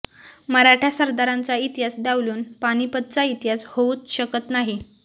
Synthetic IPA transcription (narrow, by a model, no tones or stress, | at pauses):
məɾaʈʰjasəɾd̪aɾant͡sait̪jasd̪aʋluːnpaɽ̃ipət̪̚t͡sait̪jashouːt̪ɕəkət̪naɦi